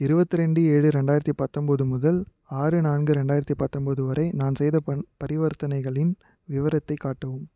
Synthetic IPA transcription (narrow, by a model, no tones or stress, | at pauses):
ɪɾɯbɐt̪ːɯɾɛɳɖɯeːɻɯɾɛɳɖaːjɪɾɐt̪ːipɐt̪ːɔmbɐðɯmʊðɐl | aːɾɯnaːnɡɯɾɛɳɖaːjɪɾɐt̪ːipɐt̪ːɔmbɐðɯʋɐɾɐɪnaːnsɛjðɐɐpɐɾɪʋɐɾt̪ɐnɐɪɣɐɭɪn | ʋɪʋɐɾɐt̪ːɐɪkːaːʈːɐʋɯm